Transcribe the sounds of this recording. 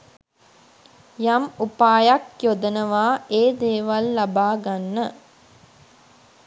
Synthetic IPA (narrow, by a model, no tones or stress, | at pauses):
jamupaːjakjod̪ənəʋaːʔeːd̪eːʋalːabaːɡanːə